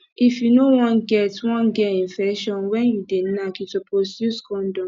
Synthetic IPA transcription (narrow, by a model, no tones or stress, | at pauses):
ifjunowɔ̃nɡɛtwɔ̃nɡɛĩnfɛʃɔ̃nwɛ̃njudenakitoposjuskɔ̃ndɔ̃